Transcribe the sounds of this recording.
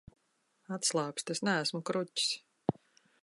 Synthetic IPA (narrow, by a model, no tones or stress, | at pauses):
at̪slˠɑːkst̪esnææsmukɾucʲi̥s